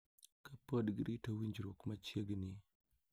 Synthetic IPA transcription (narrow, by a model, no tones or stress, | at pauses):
kapodɡiɾitawiɲd͡ʒɾokmat͡ʃjeɡni